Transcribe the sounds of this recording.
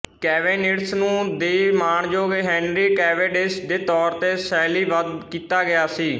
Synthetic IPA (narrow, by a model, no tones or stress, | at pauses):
kɛːʋeːnɪɽsnũːd̪eːmaːɳd͡ʒoːɡeːɦɛ̃ːnɾiːkɛːʋeːɖɪsd̪eːt̪ɔːɾt̪eːsɛːliːʋəd̪kiːt̪aːɡɪjaːsiː